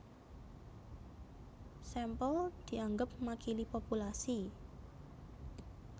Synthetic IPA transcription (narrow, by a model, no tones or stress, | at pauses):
sɛmpɔld̪̥i̤ʔaŋɡəp̚makʰilipopulasi